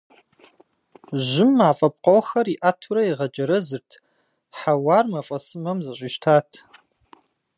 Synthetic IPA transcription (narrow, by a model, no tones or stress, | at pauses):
ʒɪmːaːfʼɐp̚qowxɐriʔaːtʰuɾɐiʁɐd͡ʒʼɐɾɐzɨrtʰ | ħawaːrmɐfʼɐsɨmɐmzɐɕʷʼiʃtʰaːtʰ